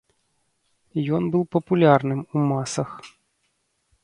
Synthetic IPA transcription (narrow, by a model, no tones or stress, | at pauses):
jɔnbɨlpɐpulʲarnɨmumasɐx